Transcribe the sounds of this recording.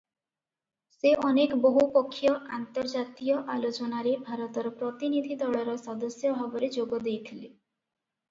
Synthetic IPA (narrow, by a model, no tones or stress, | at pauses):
seʔɔnekɔboɦupɔkʰːijɔant̪ɔɾd͡ʒat̪ijɔʔalot͡ʃɔnaɾebʱaɾɔt̪ɔɾɔpɾɔt̪inid̪ʱid̪ɔɭɔɾɔsɔd̪ɔsjɔbʱabɔɾed͡ʒoɡɔd̪ejt̪ʰile